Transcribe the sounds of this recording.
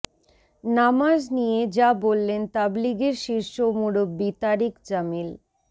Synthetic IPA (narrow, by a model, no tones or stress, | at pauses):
namad͡ʑnijed͡ʑabolːent̪abliɡeɾʃiɾʃomuɽobbit̪aɾikd͡ʑamil